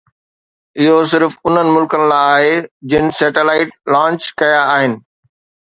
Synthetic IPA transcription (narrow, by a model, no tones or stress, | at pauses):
ɪɦosɪɾfʊn̤ənɪ̆mʊlkənɪ̆laːɦed͡ʑɪnɪ̆sɛːʈelaːɪʈ̚lãːɲt͡ɕkɐjaːɦɪnɪ̆